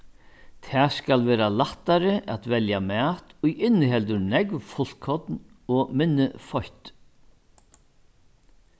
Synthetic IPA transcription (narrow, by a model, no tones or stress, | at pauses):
t̪ʰɛaːskalʋɛːɾalaht̪ːaɾɪʔat̪vɛljamæːt̪ʊjɪnːɦɛlt̪̬ʏɾnɛkʋfʊl̥kʰɔt̪nɔmɪnːɪfɔçt̪